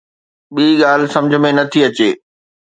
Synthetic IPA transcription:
ɓiːɠaːl̤̆sɐ̃md͡ʑʱə̆mẽnɐt̪ʰiɐt͡ɕeː

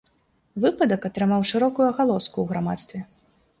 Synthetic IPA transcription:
vɨpɐd̪ɐkat̪ɾɨmawʂɨɾɔkujuɐɣalˠɔskuwɣɾama̰t̪st̪vʲɛ

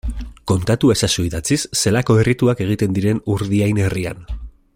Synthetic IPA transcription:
ko̞nt̪at̪ue̞sasuiðat͡sisːe̞lako̞erit̪uake̞ɣ̞it̪e̞nd̪iɾe̞nuɾðiajneria̰n

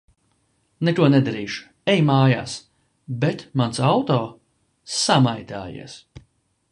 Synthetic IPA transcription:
nek̪uɔnɛd̪aɾiːʃu̥ | ɛjmaːja̰ːs | bet̪mansawt̪ɔː | samajt̪ʲa̰ːjḭɛs

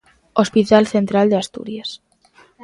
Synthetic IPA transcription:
ospit̪alθent̪ɾald̪east̪ṵɾjas

